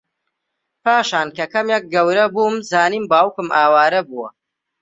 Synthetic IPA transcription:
paːʃaːnkɐkɐmjɐk̚ɡɐwɾɐbuːmzaːniːmbaːwkɨmaːwaːɾɐbuwɐ

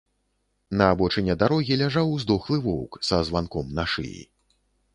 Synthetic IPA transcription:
nɐːbɔt͡ʂɛnʲɛd̪aɾɔɣʲilʲaʐawzd̪ɔxlˠɨvɔwksɐzvankɔmnaʂɨ̰jḭ

